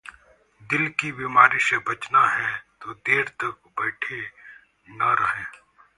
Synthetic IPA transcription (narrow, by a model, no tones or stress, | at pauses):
d̪ɪlkibimaːɾisebɐt͡ʃnaɦɛt̪oːd̪eːɾt̪ɐk̚bɛːʈʰe | nɐɾɐɦẽː